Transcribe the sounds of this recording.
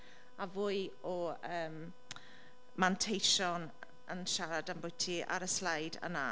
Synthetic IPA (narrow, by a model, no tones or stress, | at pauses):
avʊːɨɔəːm | mantʰejʃɔn | ənʃaɾadanbʊɨtʰiʔa̰ɾəslajdə̰na